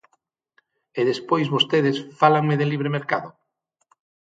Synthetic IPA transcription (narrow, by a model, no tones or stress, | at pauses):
eðespojzβost̪eðesfalaŋmeðeliβɾemeɾkaðʊ